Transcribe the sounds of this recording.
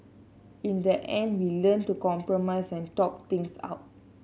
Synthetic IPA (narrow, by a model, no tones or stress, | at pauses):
ĩndəʔɛ̃ndwilə̃ntukɔ̃mpɹɔmaɪsɛ̃ntɔp̚t̪ĩŋsa̰ʊt̚